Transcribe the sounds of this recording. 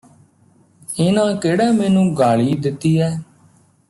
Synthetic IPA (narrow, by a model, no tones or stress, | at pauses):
ɪnãːkeːɽɛːmɛːnũːɡaːɭiːd̪ɪt̪ːiːɛː